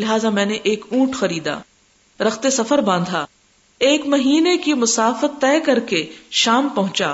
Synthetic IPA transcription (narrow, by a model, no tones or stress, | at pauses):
lɪɦaːzamɛ̃ːneʔeːkũːʈxɐɾiːd̪a̰ː | ɾɐxt̪esɐfəɾbãːnd̪ʱaː | eːkmɐɦiːnekimʊsaːfət̪ːɛːkɐɾkeʃaːmpɐɦʊ̃t͡ʃa̰ː